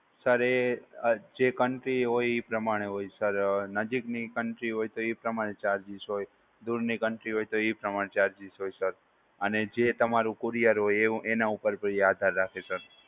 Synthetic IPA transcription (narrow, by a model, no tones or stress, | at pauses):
səɾe | d͡ʒekəɳʈɾiɦojipɾəmaɽ̃eɦojsəɾnəd͡ʒiknikəɳʈɾiɦojt̪oipɾəmaɾ̃et͡ʃaɾd͡ʒisɦoj | d̪uɾnikəɳʈɾiɦojt̪oipɾəmaɽet͡ʃaɾd͡ʒisɦojsəɾ | əned͡ʒet̪əmaɾũkuɾijəɾɦojẽʔenaupəɾbəɾiad̪ʱaɾːakʰesəɾ